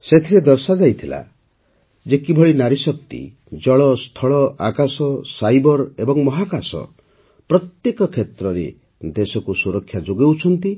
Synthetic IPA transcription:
set̪ʰiɾed̪ɔɾsad͡ʒajt̪ʰila̰ | d͡ʒekibʱɔɭinaɾisɔk̚t̪ḭ | d͡ʒɔɭɔst̪ʰɔɭɔʔakasɔsajbɔɾebɔŋmɔɦakasɔ̰ | pɾɔt̪jekɔkʰet̪ɾɔɾe | d̪esɔkusuɾɔkʰːjad͡ʒoɡewt͡ʃʰɔnt̪i

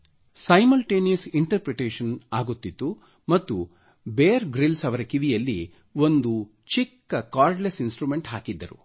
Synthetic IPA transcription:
sɐjmɐlʈeːnijɐsiɳʈɐɾpɾeʈeːʃɐnaːɡut̪ːid̪ːu | mɐt̪ːu | beːɐɾɡɾilsɐʋɐɾɐkiʋijɐlːi | ʋo̞nd̪u | t͡ʃikːɐkaːɾɖlesinsʈɾume̞ɳʈɦaːkid̪ːɐɾṵ

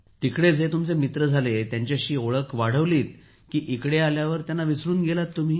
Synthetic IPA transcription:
t̪ikɽed͡zet̪umt͡semit̪ɾəd͡zʱalet̪jaɲt͡ɕjaɕiːoɭəkʋaɽ̤əʋliːt̪̚ | kiːʔikɽealjaʋəɾt̪janːaʋisɾuːnɡelat̪ːum̤iː

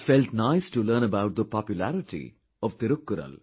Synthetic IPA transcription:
fɛlʈnaɪsʈuləɾnəbaʊʈ̚d̪əpɔpjʊlæɾɪʈḭ | ɔʋt̪ɪɾʊkːʊɾə̰l

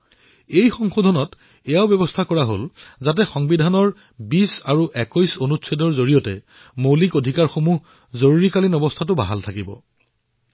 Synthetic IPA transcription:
ejxɔŋxodʱɔnɔt | ɛjaʊbɔbɔstʰakɔɹaɦolzat̬ɛxɔŋbidʱanɔɹ | bisaɹuʔɛkɔjsonutsʰɔdɔɹzoɹijɔtɛ̰ | mowlikodʱikaɹxomuɦ | zoɹuɹikalinɔbɔstʰatʊba̰ɦaltʰakibɔ̰

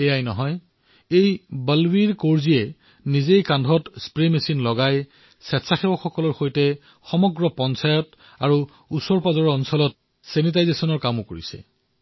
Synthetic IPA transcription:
ɛjajnɔɦɔj | ejbəlwiɹkoɹziɛ | nizejkandʱɔtspɹemesinlɔɡaj | sɛtsaxɛwɔxɔkɔlɔɹxojtɛ | xɔmɔɡɹɔpɔnsajɔt | aɹu | usɔɹpazɔɹɔɔnsɔlɔt̚ | senit̬ajzesɔnɔɹkamʊkoɹḭsɛ̰

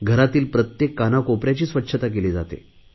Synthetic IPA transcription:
ɡʱəɾat̪iːlpɾət̪jekːanakopɾjat͡ɕiːsʋətːɕʰət̪akeliːd͡za̰t̪ḛ

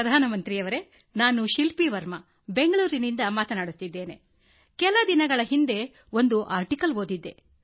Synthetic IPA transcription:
ɐd̪ʱaːnɐmɐnt̪ɾijɐʋɐɾe̞ | naːnuʃilpiʋɐɾmɐ | be̞ŋɡɐɭuːɾinind̪ɐmaːt̪ɐnaːɽut̪ːid̪ːe̞ːne̞ | kɛlɐd̪inɐɡɐɭɐɦind̪e̞ | o̞nd̪uʔaːɾʈikɐlɦoːd̪id̪ːe̞

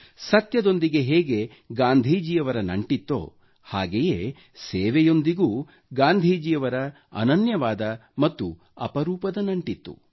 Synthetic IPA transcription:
sɐt̪jɐd̪o̞nd̪iɡe̞ɦɛːɡe̞ | ɡaːnd̪ʱiːd͡ʒijɐʋɐɾɐnɐɳʈit̪ːo̰ː | ha̰ːɡejḛː | seːʋɛjo̞nd̪iɡuː | ɡaːnd̪ʱiːd͡ʒijɐʋɐɾɐ | ɐ̰nɐnjɐʋaːd̪ɐmɐt̪ːu | ɐ̰pɐɾuːpɐd̪ɐnɐɳʈit̪ːṵ

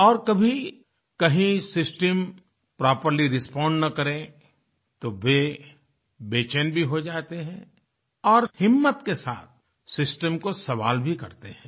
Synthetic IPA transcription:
ɔːɾkɐbʱi | kɐɦĩsɪsʈəm | pɾaːpəɾliɾɪspãːɳɖnɐkɐɾẽ | t̪oʋe | beːt͡ʃənbʱiɦod͡ʒaːt̪eɦɛ̃ː | ɔːɾhɪmːət̪kesa̰ːt̪̚ʰ | sɪsʈəmkosɐʋa̰ːlbʱikɐɾt̪eɦɛ̃ː

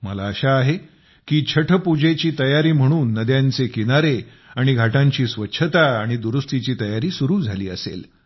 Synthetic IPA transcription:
məlaəɕaːɦe | kiːt͡ɕʰəʈʰəpud͡ʑet͡ɕiːt̪əjaɾiːm̤əɽ̃uːnːəd̪jãnt͡sekinaɾe | aɽ̃iɡʱaʈaɲt͡ɕiːsʋətːɕʰət̪aaɽ̃id̪uɾust̪it͡ɕiːt̪əjaɾiːsuɾuːd͡zʱalḭːə̰sḛl

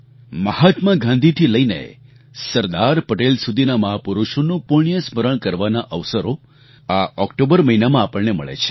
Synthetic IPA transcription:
məhat̪mãɡʱãnd̪ʱit̪ʰiləinḛ | səɾd̪aɾpəʈelsud̪ʱinaməɦapuɾuʃonũpuɳijəsməɾəɳkəɾʋanaʔəʋsəɾo | aɔkʈobəɾməɦinamãapəɭnemə̰ɭḛt͡ʃʰe̥

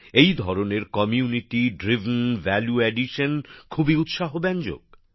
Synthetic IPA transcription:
ejd̪ʱɔɾoneɾkɔmiuniʈiɖɾivnvɛljueɖiʃənkʰubiut̪ʃaɦobɛnd͡ʑo̰ɡ

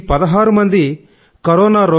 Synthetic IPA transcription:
pɐd̪ɐɦaːɾumɐnd̪i | kɐɾɔːnaːɾoː

